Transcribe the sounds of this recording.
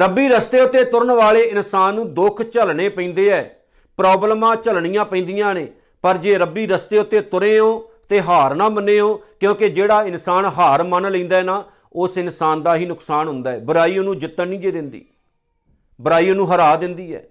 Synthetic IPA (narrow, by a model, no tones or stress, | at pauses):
ɾəbːiːɾəst̪eːʊt̪ːeːt̪ʊɾəɳʋaːleːɪnsaːnːũːd̪ʊkʰt͡ʃəlɳeːpəĩːnd̪eːɛː | pɾɔːbləmãːt͡ʃəlɳɪjãːpəĩːnd̪ɪjãːneː | pəɾd͡ʒeːɾəbiːɾəst̪eːʊt̪ːeːt̪ʊɾẽːɦoːt̪eːɦaːɾnãːmənːẽːɦõːkjõːked͡ʒeːɽaːɪnsaːnɦaːɾmənləĩːnd̪aːɛːnaː | ʊsɪnsaːnd̪aːɦiːnʊksaːnɦʊnd̪aːɛːbəɾaːiːonũːd͡ʒɪt̪ːənnĩːd͡ʒeːd̪ɪnd̪ḭː | bəɾaːiːonũːɦəɾaːd̪ɪnd̪iːɛ̰ː